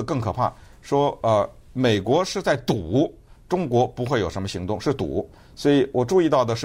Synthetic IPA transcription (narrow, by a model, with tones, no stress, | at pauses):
kɤ˥˩ŋkʰɤ˨˩pʰa̰˥˩ | ʂwɔ˥ə˧me˨˩ɪkwɔ˧˥ʂɻ̩˥˧t͡sa˥˩ɪt̪u˨˩˦ | ʈ͡ʂʊ˥ŋkwɔ˧˥pu˧˥xwe˥˧ɪjo˨˩ʊʂə˧˥nmə˧ɕi˧˥ŋt̪ʊ˥˧ŋʂɻ̩˥˩t̪ṵ˨˩ | swɔ˧˥i˧˥wɔ˨˩ʈ͡ʂu˥˧i˥˧t̪ɑ˥˩ʊd̪ə˩ʂɻ̩˥˩